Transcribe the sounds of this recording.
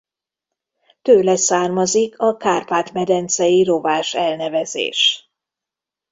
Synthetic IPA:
t̪øːlɛsaːrmɒzikʰɒkaːrpaːt̪mɛd̪ɛnt̪sɛjiɾovaːʃɛlnɛvɛzḛːʃ

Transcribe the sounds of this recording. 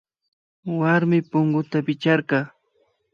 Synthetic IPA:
waɾmɪpʊŋɡʊt̪apɪt͡ʃaɾkɑː

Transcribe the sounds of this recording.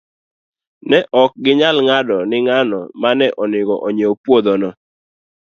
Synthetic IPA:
nɛʔɔk̚ɡɪɲalŋadɔnɪŋanɔmanɛʔɔnɪɡɔʔɔɲeopwod̪ɔnɔ

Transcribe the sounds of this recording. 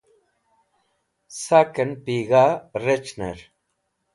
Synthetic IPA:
sakənpiɣaret͡ʃnḛɾ

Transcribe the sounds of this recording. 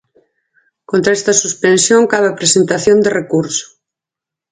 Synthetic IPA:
kõnt̪ɾaest̪ɐsuspẽnsjoŋkaβapɾesent̪aθjond̪erekuɾso̥

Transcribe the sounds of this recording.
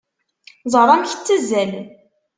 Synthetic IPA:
zˤəɾˤæmçə̥t͡sːəzːæl

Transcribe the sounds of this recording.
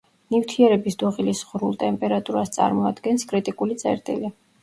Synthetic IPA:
nift̪ʰiɛɾɛbisd̪ɔʁilisʁɾulˠt̪ʼɛmpʼɛɾat̪ʼuɾast̪sʼa̰ɾmɔad̪̥ɡɛnskʼɾit̪ʼikʼulit̪sʼɛ̰ɾt̪ʼḭli

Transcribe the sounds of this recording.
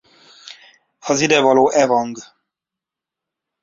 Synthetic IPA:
ɒzid̪ɛvɒloːʔɛvɒŋɡ

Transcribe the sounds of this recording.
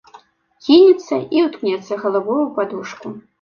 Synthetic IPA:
kʲinʲɛt̪sːɐiwt̪knʲɛt̪sːɐɣɐlˠavɔvupad̪uʂku

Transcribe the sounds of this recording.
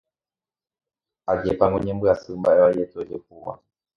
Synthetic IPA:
aɡɛpaŋɡɔɲɛmbuasumbaɛwaijɛtɔd͡ʒɛhuma̰

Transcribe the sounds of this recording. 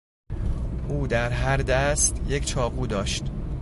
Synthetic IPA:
ʔuːd̪æɾɦæɾd̪æst̪je̞cʰt͡ʃʰɒːɣuːd̪ɒːʃt̪

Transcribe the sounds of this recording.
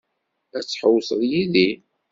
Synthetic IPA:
æt͡sːħəwsəðˤjiði

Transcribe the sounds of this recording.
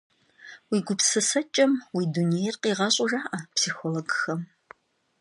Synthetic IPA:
wiːɡʷʊpsɨsɐt͡ʃʼɐmwiːdunijɛrqiːʁɐɕʼʊʒaːʔɐpsiːxoːloɡxɐm

